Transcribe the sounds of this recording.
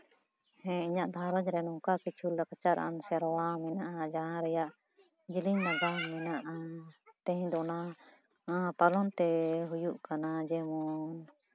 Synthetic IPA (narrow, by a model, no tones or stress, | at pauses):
hɛ̃iɲaʔd̪ʱaɾad͡ʒɾɛnɔkakit͡ʃʰulːakat͡ʃaɾʔa̰msɛɾwamɛnaʔad͡ʒaɦãɾɛjaʔ | d͡ʒilinnaɡamɛnaʔat̪ɛ̃ɲd̪ɔna | apalɔnt̪ɛɦujuʔkanad͡ʒɛmun